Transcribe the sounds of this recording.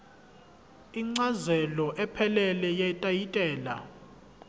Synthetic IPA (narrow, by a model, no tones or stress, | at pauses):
iŋ͡ǀazɛlɔʔɛpʰɛlɛlɛjɛtʼajitʼɛːla̰